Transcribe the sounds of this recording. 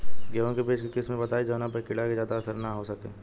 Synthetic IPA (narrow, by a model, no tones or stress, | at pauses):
ɡɛʋõkepeːt͡ʃkekɪsmẽbɐt̪aːed͡ʒonãpəkɪɽakezjaːd̪aːsəɾnaɦosɐkḛː